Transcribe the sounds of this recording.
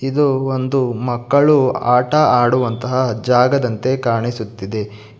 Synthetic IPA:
id̪uond̪umɐkːɐɭuaːʈɐaːɽuʋɐnt̪ɐɦɐd͡ʒaːɡɐd̪ɐnt̪e̞kaːɳisut̪ːid̪e̞

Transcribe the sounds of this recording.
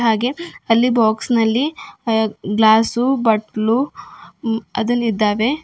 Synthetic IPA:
ɦaːɡe̞ɐlːibaːksnɐlːi | ɡlaːsubɐʈlu | ɐ̰d̪ɐnːid̪ːaːʋe̞

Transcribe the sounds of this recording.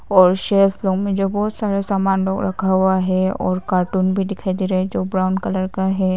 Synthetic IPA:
ɔːɾʃeːfloːɡmẽd͡ʒobɔːt̪saːɾesaːmaːnloːɡɾɐ̰kʰaɦuaɦɛɔ̰ːɾkaːɾʈuːnbʱid̪ɪkʰajd̪iɾaɦɛd͡ʒoːbɾaʊ̃ɳɖkɐləɾkaɦɛ

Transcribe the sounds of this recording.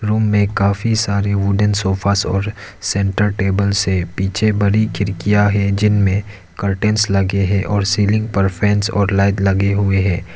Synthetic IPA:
ɾuːmːẽkaːfisaːɾeʋʊɖənsoːfʰaːsɔ̰ːɾ | sɛ̃ːɳʈəɾʈeːbəlsepiːt͡ʃʰebɐɾikʰɪɾkijaɦɛd͡ʒɪnmẽ | kɐɾʈɛ̃ːnslɐɡeɦɛ̃ʔɔːɾsiːlɪ̃ŋɡpɐɾpʰɛ̃ːnsɔːɾlaːɪd̪lɐɡeɦʊeɦɛ̃ː

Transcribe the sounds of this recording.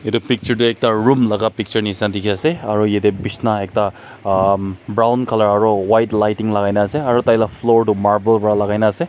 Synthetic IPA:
edupik̚t͡ʃɐɾduek̚taɾumlaɡapik̚t͡ʃɐɾnisandikʰiaseaɾɔjedebisnaek̚ta | bɾawnkʰalaɾaɾɔwajtlajtiŋlaɡajnaːseaɾɔtajlapʰloɾdumaɾbelbaɾalaɡajnase

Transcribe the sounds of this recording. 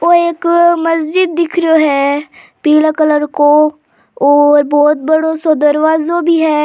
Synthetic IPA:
oeːkmɐsd͡ʒɪd̪ːɪkʰɾoɦɛ | piːlakələɾko | ɔːɾbɔːt̪̚bəɽosod̪əɾʋaːzõbʱiɦɛː

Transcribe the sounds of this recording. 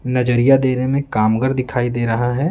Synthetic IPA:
nɐd͡ʒəɾijad̪eːɾemẽkaːmɡəɾd̪ɪkʰaːid̪eːɾɐɦaɦɛː

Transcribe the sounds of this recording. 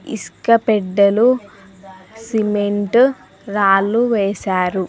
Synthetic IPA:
ḭskɐpɛɖːɐlu | simeɳʈ | ɾaːlːuʋɛːsaːɾu

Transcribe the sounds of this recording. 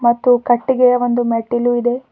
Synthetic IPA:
mɐt̪ːukɐʈːiɡeond̪umeʈːiluid̪e̞

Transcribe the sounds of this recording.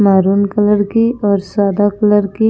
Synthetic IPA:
maːɾuːnkələɾkiɔːɾsaːd̪akələɾki

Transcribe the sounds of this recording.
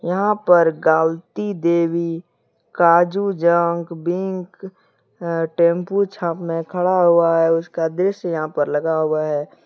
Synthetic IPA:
jɐɦãpəɾɡaːlt̪id̪eːwi | kaːd͡ʒud͡ʒəŋkbɪ̃ŋk | ʈẽːmput͡ʃʰaːpmẽkʰəɽaɦʊaɦɛʊskad̪ɾɪʃjɐɦãpəɾləɡaɦʊaɦɛː

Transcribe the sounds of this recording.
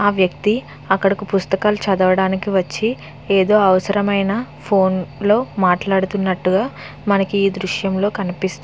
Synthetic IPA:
aːʋjɐk̚t̪i | ɐkːɐɽɐkupust̪ɐkaːlut͡ʃɐd̪ɐʋɐɽaːnikiʋɐt͡ʃːi | eːd̪o̞ːɐʋɐsɐɾɐmɐjnɐ | pʰo̞ːnlo̞ːmaːʈlaːɽut̪unːɐʈːuɡaː | mɐnɐkiiːd̪ɾuʂjɐmlo̞ːkɐnipist̪u

